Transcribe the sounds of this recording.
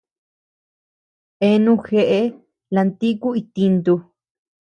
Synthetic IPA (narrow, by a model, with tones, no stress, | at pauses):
e˧nũ˧xe˧ʔe˧ | la˧nt̪i˦ku˦i˧t̪i˧nt̪u˧